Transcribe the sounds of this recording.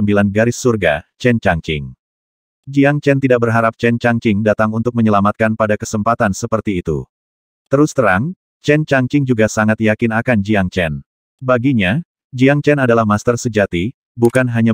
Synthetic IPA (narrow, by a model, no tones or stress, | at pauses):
əmbilanɡaɾɪsːurɡa̰t͡ʃɛnt͡ʃaŋt͡ʃɪ̰ŋ | d͡ʒiaŋt͡ʃɛnt̪idak̚bərɦaɾap̚t͡ʃɛnt͡ʃaŋt͡ʃɪŋdat̪aŋunt̪ʊk̚məɲəlamat̪̚kanpadakəsəmpat̪ansəpərt̪iːt̪ṵ | t̪əɾust̪əɾaŋ | t͡ʃɛnt͡ʃaŋt͡ʃɪŋd͡ʒuɡasaŋat̪jakɪnakand͡ʒiaŋt͡ʃɛn | baɡiɲa | d͡ʒiaŋt͡ʃɛnadalahmast̪ərsəd͡ʒat̪i | bukanɦaɲa